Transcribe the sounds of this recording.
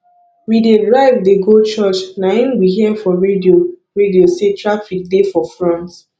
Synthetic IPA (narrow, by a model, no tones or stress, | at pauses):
widedɹaɪvdeɡot͡ʃɔt͡ʃnãĩnɡiɦiɛfɔɹedioɹediosẽtʰɹafik̚defɔfɹɔ̃nt